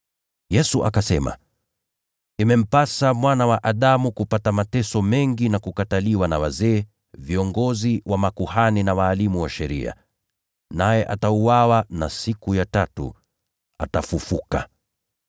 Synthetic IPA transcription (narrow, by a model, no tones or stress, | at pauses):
jɛsuʔakasɛma̰ | imɛm̩pasamwanawaʔaɗamukupatamatɛsɔmɛŋɡinakukataliwanawazɛː | viɔŋɡɔziwʔamakuhaninawaːlimuwaʃɛɾḭa̰ | najɛʔatauwawanasikujatatṵ | atafufuka̰